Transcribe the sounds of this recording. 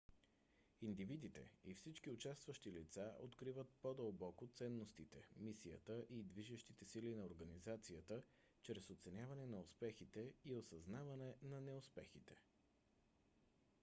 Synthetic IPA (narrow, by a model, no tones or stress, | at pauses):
ind̪ivid̪it̪ɛ̰ifsit͡ʃk̟iʊt͡ʃast̪vəʃt̪ilit̪saʔot̪kɾivət̪̚pod̪əlˠbɔkot̪sɛnːost̪it̪ɛmisijə̰t̪əʔid̪viʒɛʃt̪it̪ɛsilinɐoɾɡənizat̪sijət̪ə | t͡ʃɾɛsot̪sɛnʲjavɐnɛnɐʊspɛxit̪ɛiosɐznavɐnɛnɐnɛʊspɛxit̪ɛ̥